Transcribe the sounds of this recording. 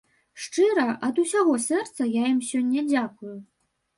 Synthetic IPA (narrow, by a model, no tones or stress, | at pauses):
ʂt͡ʂɨɾɐʔɐd̪usʲaɣɔsʲɛrt̪sɐjajimsʲɔnʲːɐd͡zʲakuju